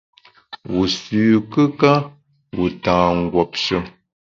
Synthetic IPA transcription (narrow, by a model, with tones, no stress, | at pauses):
wu˨sʉː˨kə˦ka˦ | wu˨tãː˨ŋ̩˨ɡwɔ˨p̚ʃə˦˨